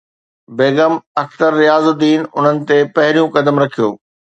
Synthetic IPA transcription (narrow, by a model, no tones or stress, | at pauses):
beːɡəmɐk̚t̪əɾːɪjaːzʊd̪iːnʊn̤ənɪ̆t̪epɐɦɪɾijũkɐd̪əmɾɐkʰijo̰ː